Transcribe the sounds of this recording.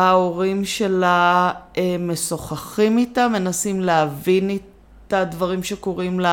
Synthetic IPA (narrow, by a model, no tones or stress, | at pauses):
ao̞ʁimʃe̞laemːe̞so̞χaχimitamːe̞nasimleavini | t̪advaʁimʃe̞ko̞ʁimla